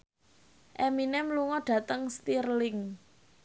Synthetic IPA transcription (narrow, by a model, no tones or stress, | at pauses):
ʔɛminɛmluŋɔɖ̥ä̤t̪əŋst̪irlɪŋ